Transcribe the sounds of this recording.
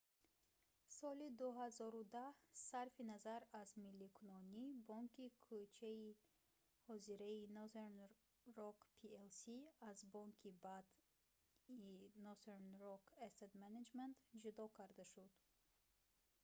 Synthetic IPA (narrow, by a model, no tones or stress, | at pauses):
sɔlid̪uɦazɔɾud̪ahsaɾfinazaɾazmilːikʰunɔnibɔŋkʰikʰut͡ʃʰai | hɔziɾainɔzeɾn | ɾɔkpʰielsiazbɔŋkʰibad̪ | inɔseɾnɾɔkʰest̪ed̪maned͡ʒment̪d͡ʒud̪ɔkʰaɾd̪aʃud̪̥